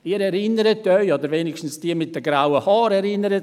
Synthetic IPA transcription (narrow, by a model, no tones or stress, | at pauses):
iːɾɛɾɪnəɾətœʏodəɾveːnɪkʃtn̩sd̥iːəmɪt̚d̥əɡɾawəhɑːɾɛɾɪnːəɾət